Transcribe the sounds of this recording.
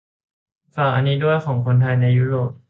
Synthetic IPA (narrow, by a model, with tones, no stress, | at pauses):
saː˨˩˦ʔa˧niː˦˥du˥˩əjkʰɔː˩˦ŋkʰo˧nt̪ʰaː˧jna˧jːuː˦˥ɾoː˨˩p̚